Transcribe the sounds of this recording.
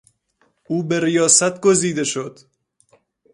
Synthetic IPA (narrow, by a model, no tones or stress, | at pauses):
uːbeɾijɒːsæt̪ʰɡoziːd̪eʃod̪̥